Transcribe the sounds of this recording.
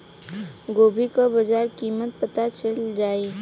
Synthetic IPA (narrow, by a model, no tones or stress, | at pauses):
ɡoːbʱikobɐd͡ʒaːɾkiːmət̪̚pət̪at͡ʃəld͡ʒaːi